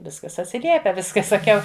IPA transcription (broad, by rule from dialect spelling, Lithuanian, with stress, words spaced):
ˈʋʲɪskɐs ɐtʲsʲɪˈlʲiɛpʲɛ ˈʋʲɪs kɐ sɐˈkʲɛʊ